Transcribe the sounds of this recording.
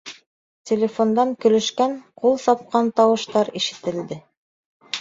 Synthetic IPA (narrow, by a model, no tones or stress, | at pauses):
tʲelʲefond̪ɑŋkɵ̆lɵ̆ʃkæŋqulˠsɑp̚qɑnt̪ɑwɤ̆ʃt̪ɑɾiʃɘ̥̆t̪ɘ̆ld̪ɘ